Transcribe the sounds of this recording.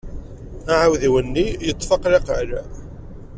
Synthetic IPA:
aʕawðiwənːijət̪ˤːfɑqɾeqʕɾæ

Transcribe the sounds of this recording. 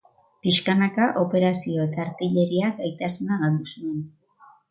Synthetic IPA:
piʃkanakaʔo̞pe̞ɾasio̞e̞t̪aːɾpiʎe̞ɾiaɡajt̪asunaɣald̪usue̞n

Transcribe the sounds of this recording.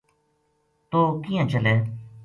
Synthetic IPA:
t̪oːkijãːt͡ʃəleː

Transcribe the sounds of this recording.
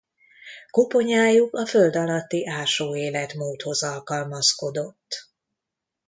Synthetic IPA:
kopo̞ɲaːjukɒføld̪ɒlɒt̪ːiʔaːʃoːeːlɛt̪moːt̪ho̞zɒlkɒlmɒsko̞d̪o̞t̪ː

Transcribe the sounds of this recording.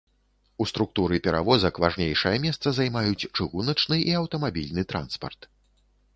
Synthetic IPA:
ust̪ɾuk̚t̪uɾɨpʲɛɾa̰vɔzɐkvaʐnʲejʂɐjɐmʲɛst̪sɐzajmajut͡sʲt͡ʂɨɣunɐt͡ʂnɨiɐwt̪ɐmabʲilʲnɨt̪ɾa̰nspɐ̰rt̪

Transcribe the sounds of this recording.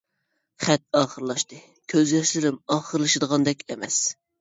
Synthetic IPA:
χɛt̪ɑːχəɾlˠɑʃt̪ɨ | kʲʰøzjɑʃlɪɾɪmɑːχəɾlˠɨʃɨd̪əʁɑnd̪ɛkʲemɛs

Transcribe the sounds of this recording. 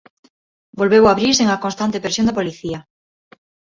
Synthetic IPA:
bolβeβwaβɾiɾseŋakonst̪ant̪epeɾsjond̪apoliθiɐ

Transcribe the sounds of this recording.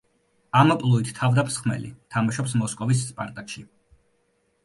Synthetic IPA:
amapʼlˠuit̪ʰt̪ʰavd̪amsχmɛ̰lḭt̪ʰamaʃɔpsmɔskʼɔvis̬ːpʼaɾt̪ʼakʃi

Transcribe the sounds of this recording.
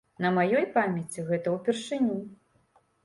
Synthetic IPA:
nɐmajɔjpamʲɛt͡sʲiɣɛt̪ɐwpʲɛrʂɨnʲu

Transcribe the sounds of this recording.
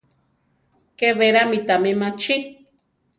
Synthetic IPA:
keβeɾamĩt̪amẽmãt͡ʃʰi

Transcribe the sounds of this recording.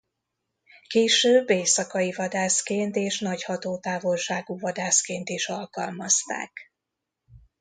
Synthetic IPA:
keːʃøːbːeːsɒkɒivɒd̪aːskeːnt̪eːʃnɒchɒt̪oːt̪aːvo̞lʃaːɡuːvɒd̪aːskeːnt̪iʃɒlkɒlmɒst̪a̰ːk

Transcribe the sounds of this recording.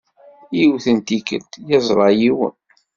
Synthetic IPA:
jiwθənt̪ikə̰lt̪jɑzˤɾˤɑjiwə̰n

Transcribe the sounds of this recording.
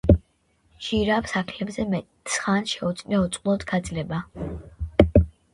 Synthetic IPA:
ʃiɾapsakʰlɛbzɛmɛt̪ | sχanʃɛɔt̪sʼnɛɔt̪sʼqʼlˠɔd̪ɡ̥ad̪zlɛba

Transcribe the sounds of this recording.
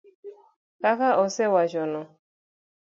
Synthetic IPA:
kakaʔɔsewaʒɔnɔ

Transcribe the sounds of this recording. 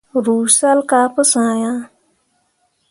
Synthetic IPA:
ɾuːɕsalkaːpəsãːjãː

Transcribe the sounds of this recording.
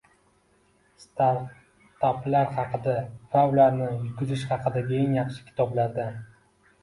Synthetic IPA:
st̪aɾ | t̪ʰaplaɾχɑqʰɨd̪afawlaɾnɪjʊɡʲʊzɪʃχɑqʰɨd̪aɡʲeŋjɑχʃɪ̥kʲʰɪ̥t̪ʰɒblaɾd̪a

